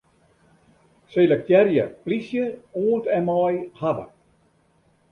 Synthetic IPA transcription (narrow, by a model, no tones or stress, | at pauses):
selək̚tjɛɾjə̰plisjəoːntɛnmaːjhadə̰